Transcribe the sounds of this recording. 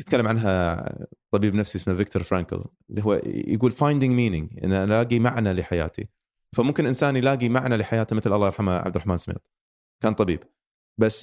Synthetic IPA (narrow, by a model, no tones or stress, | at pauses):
ɪt̪kalːamʕanɦa | t̪ˤɑbiːbnafsiʔɪsmːavɪk̚t̪ʊɾˤfɾaːŋkɪ̰l | lːiɦṵːjəɡuːlfajnd̪ɪŋmiːnɪŋʔɪ̰nːaʔallaːɡimaʕnalɪħaja̰ːt̪ḭ | famʊmkɪnʔɪnsaːnjlaːɡimaʕnalɪħajaːt̪amɪθlʔɑlˤːɑːjɾˤħamaʕa̰bd̪ɾˤaħmaːnsmḛːt̪ˤ | kaːnt̪ˤɑbḭːb | basː